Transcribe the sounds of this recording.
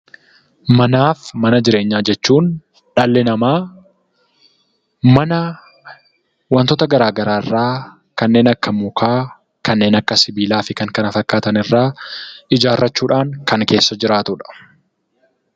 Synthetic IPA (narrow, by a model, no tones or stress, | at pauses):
mɐnaːfmɐnɐd͡ʒɪɾe̞ːɲːaːd͡ʒɛt͡ʃːuːn | ᶑɐlːɛnɐmaː | mɐnɐ | wɐnt̪ɔt̪ɐɡɐɾaːɡɐɾaːɪrːaː | kɐnːe̞ːnɐkːɐmukʰaː | kɐnːe̞ːnɐkːɐsɪbiːlaːfɪkɐŋkɐnɐfɐkːaːt̪ɐnɪrːaːɪd͡ʒaːrːɐt͡ʃːuːᶑaːŋkɐŋke̞ːsːɐd͡ʒɪɾaːt̪ʊᶑɐ̥